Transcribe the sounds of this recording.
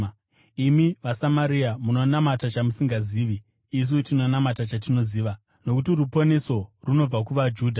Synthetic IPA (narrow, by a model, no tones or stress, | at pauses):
imiʋasamaɾiamuno̞namatat͡ʃamusiŋɡaziːʋiː | s̬utino̞namatat͡ʃatino̞ziːʋa | no̞kutirupo̞ne̞so̞runo̞b͡vakuʋad͡ʒuːdʱa